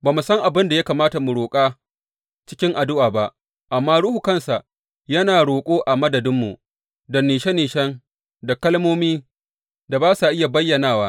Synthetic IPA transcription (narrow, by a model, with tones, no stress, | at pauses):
baː˨mu˨sɐ˦ŋʔa˨bɪ˦nda˨ja˦kaː˨maː˦ta˨mu˨ɽoː˨kʼaː˦ | t͡ʃɪ̥˦kʲɪ˦ŋʔa˨dʊ˦ʔaː˨ba˦ʔ | ʔa˨mːaː˦ɽʊ˦hu˨kɐ˦nsa˨ʔ | jɐ˦naː˨ɽoː˨kʷʼoː˦ʔa˨mɐ˦dɐ˨dɪ˦mːṵ˨ | dɐ˨niː˨ʃɛ˦niː˨ʃɐ˦ŋ | da˨kɐ˦lmoː˦miː˦ | da˨baː˦sa˨ʔɪ˦ja˨bɐ˦jːɐ˨naː˦˨waː˦